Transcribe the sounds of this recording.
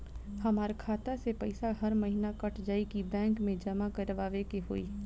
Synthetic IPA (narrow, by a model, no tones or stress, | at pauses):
hɐmaːɾkʰaːt̪asepɐɪsaɦɐɾmɐɦinakɐʈʰd͡ʒaːikibɛ̃ːŋkmẽd͡ʒɐmakɐɾʋaːʋekeɦo̰ːḭ